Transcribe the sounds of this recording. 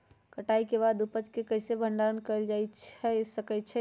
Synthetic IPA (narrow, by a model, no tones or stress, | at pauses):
kəʈaikeβaːd̪upət͡ʃkekəɦsebʱəɳɖaɾənkəld͡ʒait͡ʃʰɛsəkɛt͡ʃʰɛ